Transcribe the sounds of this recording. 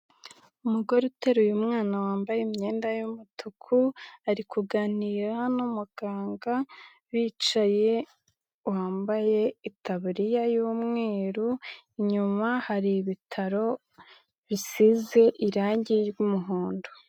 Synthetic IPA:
umuɡo̞ɾeteɾujumŋaːnawaːmbajemɲe̞ːndajumutʰukʰuaɾikʰuɡaniːɾanumuɡ̥aːŋɡa | βiːt͡ʃaje̞ | waːmbaje̞itaβuɾijajoːmŋe̞ːɾuiɲumahaɾiβitʰaɾo̞ | βisize̞ʔiɾaːɲɟiɾɡumuɦoːndo

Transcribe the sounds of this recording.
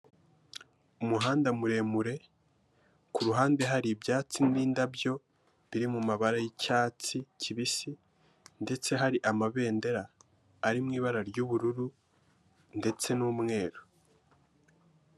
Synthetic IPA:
umuɦaːndamuɾe̞muɾe̞ | kuɾuɦaːnde̞ɦaɾibjaːt͡simiːndabjo̞ | βiɾimumaβaɾajicaːt͡sicʰiβisi | nde̞t͡se̞ɦaɾiʔamaβe̞ːnde̞ɾaː | ɾimŋiːβaɾaɾɟuːβuɾuɾu | nde̞t͡se̞nuːmŋe̞ːɾo

